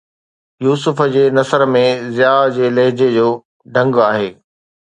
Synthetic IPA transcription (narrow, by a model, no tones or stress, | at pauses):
juːsʊfəd͡ʑeːnɐsəɾmẽzɪjaːd͡ʑeːlɐɦɪd͡ʑed͡ʑoː | ɖʱɐ̃ŋɡaːɦeː